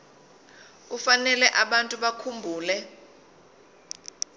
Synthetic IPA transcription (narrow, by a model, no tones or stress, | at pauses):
ufanɛlɛʔaɓantʼuɓakʰumbʱuːlɛ